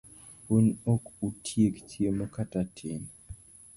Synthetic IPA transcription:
wunokutʰjektʰjemɔkatatʰɪn

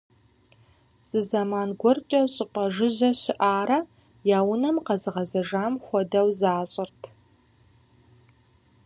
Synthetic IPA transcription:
z̥ɨzɐmaːnɡʷɔrt͡ʃʼɐɕʼɪpʷʼɐʒɨʑɐɕɪʔaːɾɐ | jaːwʊnɐmqɐzɨʁɐzɐʒaːmxʷɔdɐwzaːɕʼɪrtʰ

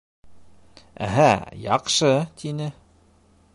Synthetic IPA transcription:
æ̰ɦæjɑ̰qʃɤt̪ʰinɘ

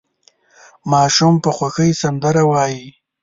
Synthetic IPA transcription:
mɑʃumpəxwaxəjsand̪aɾawɑji

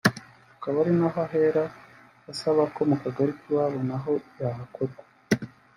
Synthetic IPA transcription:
akaβaɾinaɦaɦe̞ɾa | asaβako̞mukaɡaɾikiwaβonaɦo̞jaɦako̞ɾɡwa

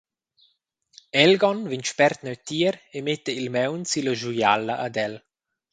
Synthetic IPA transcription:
ɛlɡɔnvint͡ʃpɛrt̪nəɥt̪iəɾemet̪ːəilmɛwnsiləʒuja̰ləʔːd̪ɛl

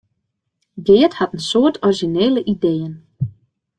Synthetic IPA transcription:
ɡɪːthatən̩soərtʰɔriʒineːləʔideːjən

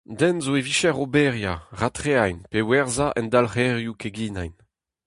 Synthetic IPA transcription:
d̪ɛnzoeviʃɛʁobɛʁja̰ʁat̪χeajnpewɛʁzaʔɛnd̪alχɛʁjukeɡina̰jn

